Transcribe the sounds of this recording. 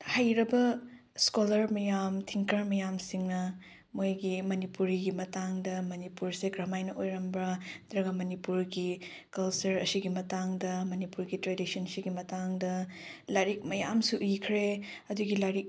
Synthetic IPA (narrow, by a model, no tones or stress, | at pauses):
hajɾɐbɐ | skolɐɾmɐjamtʰiŋkɐɾmɐjamsiŋnɐ | mojɡimɐnipuɾiɡimɐtaŋdɐmɐnipuɾseɡɾɐmajnɐʔojɾɐmbɾɐdɾɐɡɐmɐnipuɾɡikɐlsɐɾɐsiɡimɐtaŋdɐmɐnipuɾɡitɾedisɐnsiɡimɐtaŋdɐlajɾik̚mɐjamsuʔikʰɾe | ɐduɡilaɾik̚